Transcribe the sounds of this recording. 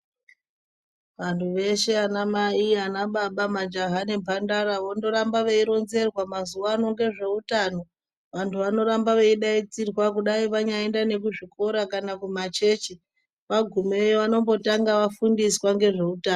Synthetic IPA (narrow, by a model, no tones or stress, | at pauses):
ʋantʰuʋe̞ʃe̞anamaianaɓaɓamad͡ʒaɦane̞bʱandaɾaʋondo̞ɾambaʋeiɾo̞nze̞rwamazuʋano̞ŋɡe̞ʐe̞utano̞ | ʋantʰuʋano̞ɾambaʋeiɗait͡sirwak̬uɗaiʋaɲaendane̞k̬uʐiko̞ɾakanakumat͡ʃe̞t͡ʃi | ʋaɡʱumeʋano̞mbo̞taŋɡaʋafundiswaŋɡe̞ʐe̞utaːn